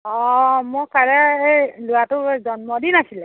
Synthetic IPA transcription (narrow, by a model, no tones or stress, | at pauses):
ɔmɔkaɹɛejlʊwatʊzɔnmɔdinasilɛ